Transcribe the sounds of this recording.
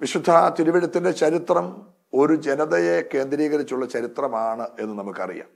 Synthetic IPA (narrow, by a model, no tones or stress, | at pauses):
ʋiɕud̪ʱːat̪iɾuʋiɽɐt̪ːinde̞t͡ɕɐɾit̪rɐm | o̞ɾud͡ʑe̞nɐðɐjeke̞ːnd̪ɾiːɣɐɾit͡ɕːuɭːɐt͡ɕɐɾit̪rɐmaːɳɨe̞nːɨnɐmukːɐ̰rḭja̰ːm